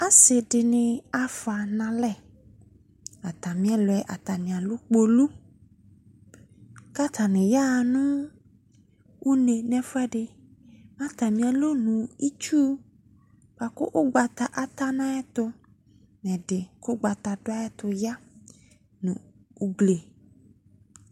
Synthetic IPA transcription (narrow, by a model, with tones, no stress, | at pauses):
a˦sɪ˨dɪ˨nɪ̃˨a˨fa˨nã˨lɛ˦˨ | a˨t̪a˨mĩ˦ɛ˦lʊ˨ɛ˨ʔa˨t̪a˨nɪ̃˨ã˨lʊ˦k͡po˦lu˦ | ka˦t̪ʰa˨nɪ̃˨ja˦˨nʊ̃˦ | u˦ne˨nɛ̃˨fʊ˦ɛ˦dɪ˨ | mã˦t̪a˨mĩ˨a˨lo˦nũ˨i˦t͡ʃu˦ | pa˨kʊ̰˦ʔʊ˦ɡ͡ba˨t̪a˨ʔa˨t̪a˦nã˦ɛ˦t̪ʊ˦ | nɛ̃˨ɖɪ˨kʊ˦ɡ͡ba˨t̪a˨dʊ˦a˦e˦t̪ʊ˨ja˦ | nũ˨ | u˦ɡle˨